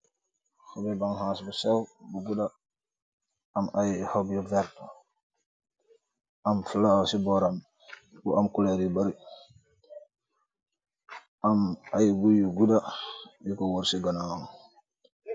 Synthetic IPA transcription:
hobibaŋhãːsbusɛwbuɡuda | majhobjuvɛɾt | amflawsibɔɾam | buamkuleɾibaɾi | amajɡujuɡudajikɔwoɾsiɡanawŋ

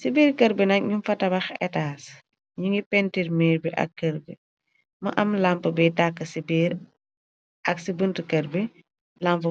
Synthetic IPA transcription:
sibiːɾkɐɾbɛnɐk̚ɲunfɐtɐbɐxɛ̰taːs | ɲuŋɡipɛntiɾmiːɾbiʔɐ̰kːɐɾbɛ | mɐ̰ʔɐmlampəbɛtakːəsibiːɾ | ʔɐksibəntkɐɾbi | lampə

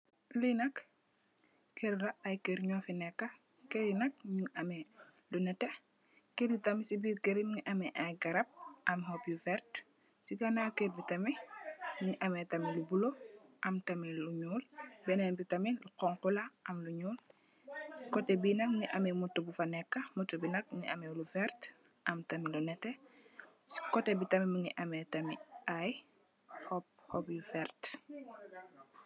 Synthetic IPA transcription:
linɐk | kʰeɾɾaɐjkeɾɲɔfinɛkːɐ | keɾinɐk̚ɲuŋɐmɛlunɛte | keɾbitɐmisibiɡeɾimŋiʔɐmɛʔajɡɐɾɐp̚ɐmɦɔpjufɛɾt | siɡanakebitɐmimŋiʔɐmɛtɐmilubuloʔɐmtɐmiluɲuːlbɛnɛnbitɐmiluqɔŋkulɐʔɐmluɲuːl | kɔtebinɐmŋiʔɐmemutːubufɐnɛkːɐmutːubinɐk̚ŋḭʔɐmɛlufɛɾt | ʔɐmtɐmilunɛtɛ | si̥kɔtebitɐmimiŋiʔɐmetɐmiʔaj | hɔp̚hɔpjufɛɾt

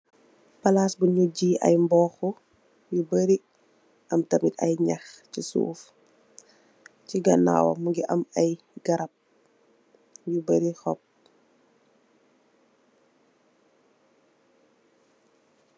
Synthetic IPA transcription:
pɐlaːsbuɲuɟiːʔɐ̰jmbɔːxu | jubəɾi | ʔɐmtɐmitɐ̰jɲaxcisṵːf | ciɡɐna̰ːwɐ̰muɡiʔɐmɐj | ɡɐɾɐp̚ | jubəɾixɔp̚

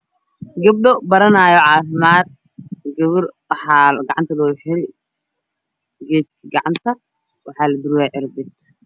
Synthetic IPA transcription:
ɡɐb̚ɗɔbɐɾɐnaːjɔʕɑːfɪmaːd̪̚ | ɡɐβʊrwħɑːɡɐʕɑ̰nt̪ʰɐlɔːħɪɾɪ | ɡɛːt̪̚ɡɑʕɑnt̪ʰɐ | wɑħɑːlɐd̪ɪɾwaːʕɪɾbɪt̪

